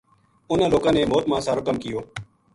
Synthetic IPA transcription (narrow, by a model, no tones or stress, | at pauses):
ʊnəloːkãːneːmoːt̪mãːsaːɾʊkəmkɪjoː